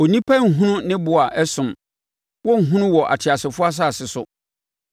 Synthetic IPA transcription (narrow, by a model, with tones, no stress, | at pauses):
o˨nĩ˦pʰa˦ŋ̩˨ɦũ˦nʊ̃˦nɪ̃˦bʊ˨a˨ʔɛ˦sʊ̃˨m | wɔ˦ŋ̩˨ɦũ˦nʊ̃˦wɔ˨ʔa̰˨tʰɪ˨a˨sɪ˨fʊ˦a˦s̬a˦˨sɪ˨sʊ˦